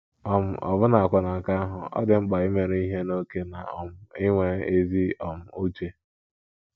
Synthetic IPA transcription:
ɔ˨m̩˨ʔɔ̰˨bʊ˦na˨a˨kʷa˨na˨ŋ̩˨ka˦a˦ɦʊ˨ɔ̰˦dɪ˨ŋ͡m̩˦k͡pa˨i˦me˨ɾe˦i˦ɦe˦no˦ke˦na˨ɔ˨m̩˨ɪ˦ŋʷe˦e˦zi˦ɔ˨m̩˨u˦t͡ʃe˦

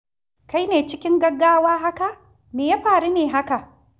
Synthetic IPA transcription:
ka˦jneː˨t͡ʃɪ˦kʲɪ˦ŋɡɐ˦ɡːaː˦waː˦ɦa˦ka˨ | meː˨jaː˦ɸaː˨ɽu˦neː˨ɦa˦ka˨ʔ

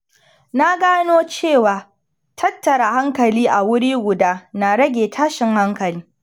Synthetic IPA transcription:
na˦ɡaː˦noː˦t͡ʃeː˦˨waː˨ | tʰɐ˦tːɐ˨ɾa˨ha˦ŋkɐ˨liː˦ʔa˨wʊ˦ɽiː˦ɡʷʊ˨daː˦na˨ɽɐ˦ɡʲeː˨tʰaː˦ʃɪ˨ŋha˦ŋkɐ˨liː˦

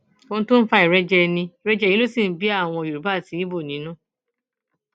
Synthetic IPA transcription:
o˧ñ̩˦tũ˦n̩˦fa˧i˨ɾɛ˦d͡ʒɛ˦˧nĩ˧i˨ɾɛ˦d͡ʒɛ˦˧˨ji˦lo˦si˦˨n̩˦bi˦a˦˨w̃ɔ̃˧o˨jo˨ɾu˨˦ba˦˨ti˨˦i˦bo˦˨nĩ˨˦nũ˦

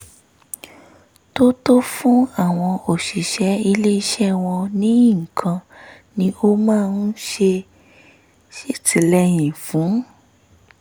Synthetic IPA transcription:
to˦to˦fũ˦a˦˨w̃ɔ̃˧o˨ʃi˨ʃɛ˨˦i˧le˦i˧ʃɛ˦˨w̃ɔ̃˧nĩ˨˦˨kʰã˧ | nĩ˧˦o˦mãː˦˧n̩˦ʃe˧ | ʃi˦tʰi˨˧˦lɛ˦j̃ĩ˨fũ˨˦

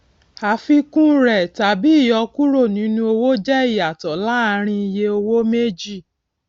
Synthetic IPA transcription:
ha˨˦fi˧kũ˦ɾɛ˦˨ta˨bi˦i˦˨jɔ˧ku˦ɾo˦˨nĩ˨˦nũ˧˦o˧wo˦d͡ʒɛ˦i˦˨a˨tɔ˨la˦a˦˧ɾ̃ĩ˧i˧je˧o˧wo˦me˦d͡ʒi˦˨

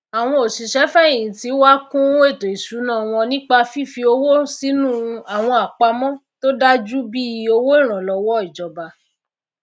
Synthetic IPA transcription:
a˨w̃ɔ̃˧o˨ʃi˨ʃɛ˨˦fɛ˦ẽ˨ĩ˨ti˨˦wa˦kũ˦e˦˨to˨i˨ʃu˨˦nã˦˨w̃ɔ̃˧nĩ˦k͡pa˧fi˦˨fi˧o˧wo˦si˨˦nũ˦a˨w̃ɔ̃˧a˨k͡pa˧mɔ̃˦to˦da˦d͡ʒu˦bi˦i˧o˧wo˦i˦˨ɾ̃ã˨lɔ˧wɔ˦i˨d͡ʒɔ˨ba˧

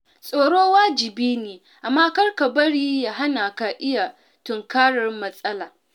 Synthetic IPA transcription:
sʼoː˨ɽoː˦waː˦d͡ʒɪ˨biː˦neː˨ | ʔa˨mːaː˦kɐ˦rka˨bɐ˦ɽiː˦jaː˨ɦa˦naː˨ka˨ʔɪ˦ja˨ | tʊ˨ŋkaː˦ɽɐ˨rmɐ˦sʼɐ˦laː˨

